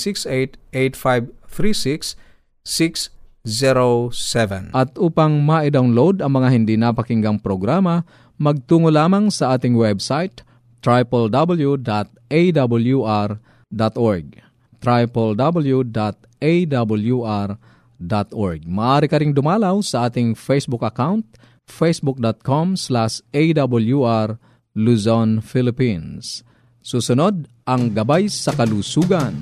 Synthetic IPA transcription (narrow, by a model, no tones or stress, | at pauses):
siksejt̪ejt̪̚fajbθɾisiksː | iksziɾosɛvɛ̰̃nʔɐt̪ʔuːpaŋmaʔɪd̪awnlowd̪ɐŋmɐŋahɪnd̪inapɐkɪŋɡaŋpɾoɡɾaːmɐ | mɐɡ̚t̪uːŋolaːmaŋsɐʔaːt̪ɪŋwɛbsajt̪ː | ɾajpɛld̪abɐljud̪at̪̚ʔejd̪abɐljuʔaɾ | d̪at̪ʔoɹɡ̚ | t̪ɾajpɔld̪abɐljud̪at̪̚ | ejd̪abɐljuʔaɾ | d̪at̪ɔɹɡ̚mɐʔaɾikɐɾɪŋd̪ʊmalawsɐʔaːt̪ɪŋfejsbʊkɐkawnt̪̚ | fejsbʊk̚d̪ot̪̚kʰomslasejd̪abuljuʔaɾ | lusonfilɪpins | susʊnod̪̚ | ʔɐŋɡɐbajsɐkɐlusuɡan